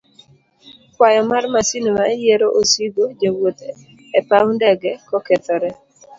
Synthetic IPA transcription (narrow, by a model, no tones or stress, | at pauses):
kwajɔmarmasinmajeɾoʔosiɡod͡ʒewot̪e | ɛpawndɛɡɛkɔkɛt̪ɔɾɛ